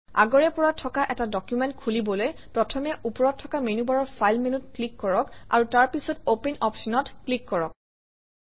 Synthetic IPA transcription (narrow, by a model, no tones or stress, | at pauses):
a̰ɡɔɹɛpɔɹatʰːɔkaʔɛtadɔkjumɛntkʰulibɔlojpɹɔtʰɔmɛʔupɔɹɔtʰːɔkamenubaɹɔɹpʰajlmenutklikːɔɹɔka̰ɹutaɹpisɔtopɛnɔpsɔnɔtklikːɔɹɔk̚